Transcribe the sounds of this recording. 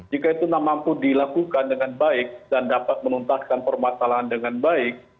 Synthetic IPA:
d͡ʒikait̪unamampudilakukandəŋanbaɪk̚dandapat̪̚mənunt̪ahkanpərmasalaɦandəŋanbaɪk̚

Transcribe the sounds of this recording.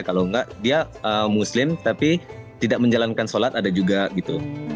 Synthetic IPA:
kaloŋɡaʔdiaəmuslɪmt̪apit̪idak̚məɲd͡ʒalankansolat̪adad͡ʒuɡaɡit̪u

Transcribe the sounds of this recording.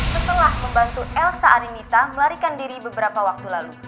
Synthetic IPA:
sət̪əlahməmbant̪uʔɛlsaːnimit̪aməlaɾikandiɾibəbəɾapawak̚t̪ulalu

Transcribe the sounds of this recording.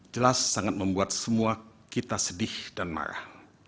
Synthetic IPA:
d͡ʒəlasːaŋat̪̚məmbuat̪̚səmua | kit̪asədɪhdanma̰ɾa̰h

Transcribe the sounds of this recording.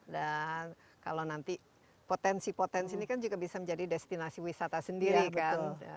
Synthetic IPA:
dan | ka̰lawnant̪i | pot̪ɛnsipot̪ɛnsinikand͡ʒuɡabisaməɲd͡ʒadidɛst̪inasiwisat̪asəndiɾikaa̰

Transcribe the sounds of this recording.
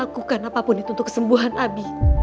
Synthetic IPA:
akukanapapʊnit̪unt̪ʊkə̥səmbuɦanabi

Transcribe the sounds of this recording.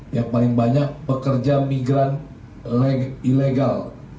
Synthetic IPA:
jaŋpalɪŋbaɲak̚bəkərd͡ʒamiɡɾan | ileɡal

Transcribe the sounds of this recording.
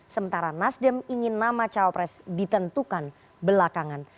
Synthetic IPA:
səmənt̪aɾanasdəmiŋɪnːamat͡ʃaopɾɛsdit̪ənt̪ukan | bəlakaŋan

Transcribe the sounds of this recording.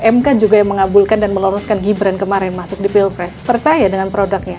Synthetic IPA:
ʔɛmkad͡ʒuɡajaŋməŋabulkandanməloɾɔskanɡibɾankəmaɾɪnmasʊk̚dipilpɾɛspərt͡ʃajadəŋanpɾodak̚ɲa

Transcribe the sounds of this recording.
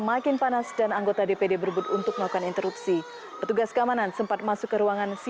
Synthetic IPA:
makɪnpanasdanaŋɡot̪adepedebəɾbʊt̪unt̪ʊk̚məlaukanint̪əɾupsi | pərt̪uɡaskəamanansəmpat̪̚masʊkːəɾuaŋansi

